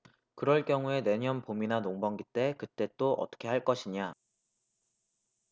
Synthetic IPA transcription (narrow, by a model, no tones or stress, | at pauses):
kɯɾʌɭk͈jʌŋue̞ne̞ɲʌnpominanoŋbʌŋɡit͈e̞kɯt͈e̞t͈oʔʌ̰t͈ʌ̥kʰe̞ɦaɭk͈ʌɕʰiɲa